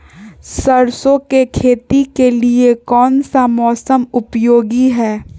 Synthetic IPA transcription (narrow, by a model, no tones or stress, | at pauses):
səɾsõkekʰeːt̪ikeliekɔːnsamɔːsəmʊpjoːɡiɦɛː